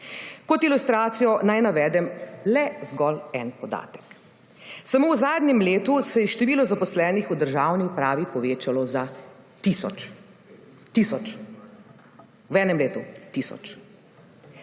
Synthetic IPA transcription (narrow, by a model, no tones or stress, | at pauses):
kɔt̪ilust̪ɾaːt̪sijɔnajnaʋɛːd̪ɛmlɛzɡɔlɛnpɔd̪a̰ːt̪ɛ̥k | samoːwzaːd̪nʲɛmleːt̪usɛjɛʃt̪ɛʋiːlɔzapɔslɛːnixud̪əɾʒaːwniupɾaːʋipɔʋeːt͡ʃalɔza | t̪isɔ̰t͡ʃ | t̪isɔt͡ʃ | wɛːnɛmleːt̪ut̪isɔ̰t͡ʃ